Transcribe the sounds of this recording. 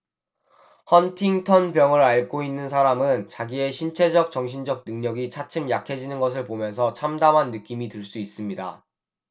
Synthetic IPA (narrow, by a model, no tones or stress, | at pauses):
hʌntʰiŋtʰʌnpjʌŋɯɾaɭk͈oinːɯnsʰaɾamɯnt͡ɕaɡie̞ɕʰint͡ɕʰe̞d͡ʑʌk̚t͡ɕʌŋɕ̬ʰind͡ʑʌk̚nɯŋɲʌɡit͡ɕʰat͡ɕʰɯmjakʰe̞d͡ʑinɯnɡʌs̬ʰɯɭpomjʌns̬ʰʌt͡ɕʰamdamɦanːɯk͈imitɯɭs͈uis͈ɯmɲida̰